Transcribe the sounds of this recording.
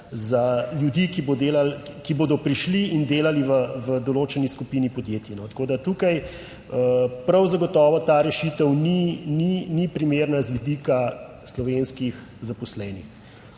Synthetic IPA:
zaljud̪ikibod̪eːlalkiboːd̪ɔpɾiʃliind̪eːlaliʋəʋəd̪ɔloːt͡ʃɛniskupinipɔd̪jeːt̪jinɔt̪ḁkoːd̪at̪ukaj | əpɾawzaɡɔt̪ɔːʋɔt̪aːɾɛʃit̪əwnininipɾimeːɾnazʋid̪ika | slɔʋeːnskix | zapɔslɛːnix

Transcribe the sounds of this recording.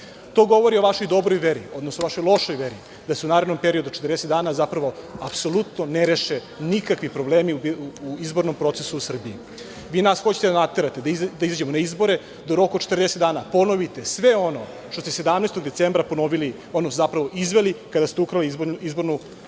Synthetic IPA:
t̪o̞ːɡo̞ʋoɾio̞ʋaʃo̞jd̪o̞bɾojʋeɾio̞d̪nosnoʋaʃo̞jlˠo̞ʃojʋeɾi | d̪aseunaːɾed̪nompe̞ɾio̞d̪ut͡ʃe̥t̪ɾrd̪eset̪d̪aːnazapɾaʋo̞apso̞lˠut̪noneɾeʃe | nikakʋipɾobleːmiuizbo̞ɾnompɾo̞t̪sesuːsr̩bii | ʋiːnasxo̞t͡ɕet̪ed̪anat̪eɾat̪e̞d̪aid̪aizad͡ʑemonaizbo̞ɾe̞ | d̪oɾo̞kot̪t͡ʃet̪rd̪eset̪d̪aːnapo̞no̞ʋit̪e̞sʋe̞o̞no | t̪ost̪esed̪amnest̪oɡ̚d̪e̞t̪eːmbɾapo̞noʋili | onozapɾaʋo̞ʔizʋelikad̪ast̪eukɾaliizbo̞ɾnu

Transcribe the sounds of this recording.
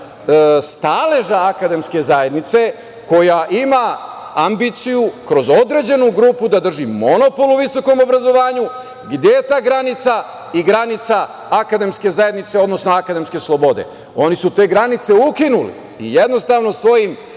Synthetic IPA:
st̪aleʒaːkad̪e̞mske̞zae̞d̪nit̪se̞ | ko̞jaʔima | ambit̪sijukɾo̞zo̞d̪ɾe̞d͡ʑe̞nuɡɾuːpud̪ad̪r̩ʒimo̞no̞po̞luʋiso̞ko̞mo̞bɾazo̞ʋaːɲu | ɡd̪jejet̪aːɡɾanit̪sa | iɡɾanit̪sa | akad̪e̞mske̞zajed̪nit̪se̞o̞d̪no̞sno̞akad̪e̞mske̞slˠo̞bo̞d̪e̞̰ | o̞nisut̪e̞ɡɾanit̪se̞ukinulḭ | ḭjed̪no̞st̪aːʋno̞sʋo̞jim

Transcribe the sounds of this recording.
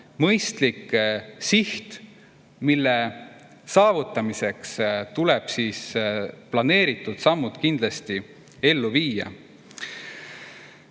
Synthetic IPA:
mɤjst̪likːsiht̪ | milːe | sɑːvut̪ːˑɑmise̞kst̪ulɛb̥siːsplɑne̞ːɾit̪ːˑud̪̥sɑmːud̪̥kind̪̥lɑst̪i | e̞lːuviːɑ̰

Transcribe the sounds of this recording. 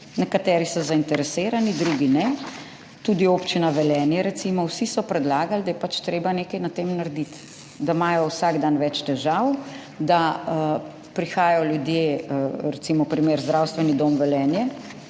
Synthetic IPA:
nɛkat̪ɛːɾisɔzaint̪ɛɾɛseːɾanid̪ɾuɡinɛ | t̪ud̪iopt͡ʃinaʋɛlɛːnjɛɾɛt̪simɔwsisɔpɾɛd̪laːɡald̪ajɛpat͡ʃt̪ɾeːbaneːkɐjnat̪eːmnaɾd̪it̪ | d̪amajɔwsaɡd̪anʋɛt͡ʃt̪ɛʒaw | d̪aə | pɾixaːjɔljud̪jeːəɾɛt̪simɔpɾimeːɾzd̪ɾawst̪ʋɛnid̪oːmʋɛlɛːnjɛ

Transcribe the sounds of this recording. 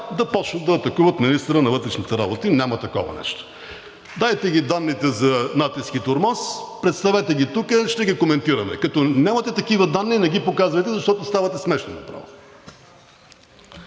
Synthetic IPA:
d̪ɐpɔt͡ʃnət̪ɐːt̪ɐkuvɐt̪minist̪əɾənɐvɤt̪ɾɛʃnit̪ɛɾa̰bot̪inʲamɐt̪ɐkɔ̰vɐ̰nɛ̰ʃt̪o̥ | d̪aɛt̪ɛɡʲid̪anːit̪ɛzɐnat̪isk̟it̪oɾmaspɾɛt̪st̪ɐvɛt̪ɛɡʲit̪ukəʃt̪ɛɡʲikomɛnt̪iɾɐmɛ̰kɐt̪ɔnʲamət̪ɛt̪ɐkivɐd̪anːinɛɡʲipokazvɐjt̪ɛzɐʃt̪ɔt̪ost̪avɐt̪ɛsmɛʃno̰nɐ̰pɾa̰vo

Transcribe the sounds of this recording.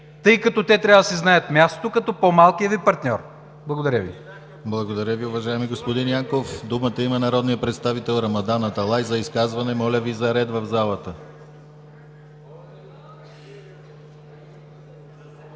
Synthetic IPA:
t̪ɤjkɐt̪ɔt̪ɛt̪ɾʲavəd̪əsɛznajət̪mʲjast̪o̥t̪okɐt̪ɔpomalˠkijəvipɐɾt̪nʲɔɾ | blˠɐɡod̪ɐɾʲəvḭ | blˠɐɡod̪ɐɾʲəviʊvɐʒaɛmiɡospod̪injaŋkofd̪umət̪əimənɐɾɔd̪nijəpɾɛt̪st̪avit̪ɛlˠɾɐmɐd̪anːɐt̪ɐlˠajzɐiskazvɐnɛmɔlʲəvizɐɾɛd̪vɐvzalˠət̪ə

